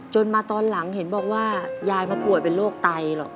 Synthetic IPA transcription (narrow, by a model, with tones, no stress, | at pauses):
t͡ɕo˧nmaː˧t̪ɔː˧nla˩˦ŋɦe˩˦nbɔː˨˩k̚waː˥˩jaː˧jmaː˧pu˨˩ət̪̚pe˧nloː˥˩k̚t̪a˧jlɔ̰˨˩k̚